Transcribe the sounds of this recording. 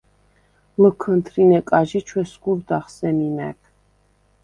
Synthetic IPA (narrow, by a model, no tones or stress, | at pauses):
məkʰənt̪ʰɾinɛkʼaʒit͡ʃʰwɛskuɾd̪aχsɛninɛ̰kʰ